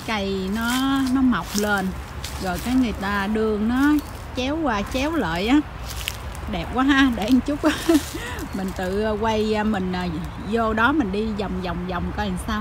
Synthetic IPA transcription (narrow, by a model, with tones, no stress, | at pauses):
ka˧jnɔ˨˦nɔ˨˦ma˨˩wk͡p̚leː˧n | ɣɔ˨˩jkaː˨˦jŋɨ˨˩əjt̪aː˧ɗɨ˧əŋnɔ˨˦ | t͡ɕɛ˨˦wkaː˧˩t͡ɕɛ˨˦wlə̰ː˧˨jʔaː˨˦ | ɗɛ˨˩p̚kwaː˨˦ɦaː˧ɗe˧˩ʔŋt͡ɕʊ˦˥k͡p̚ʔmï˨˩ŋ̟t̪ɨ̰˧˨˧kwa˧jmï˨˩ŋ̟ː˨˩ | zo˧ɗɔ˨˦mï˨˩ŋ̟ɗi˧za˨˩wŋ͡mza˨˩wŋ͡mza˨˩wŋ͡mkɔ˧i˨˩ŋsaː˧w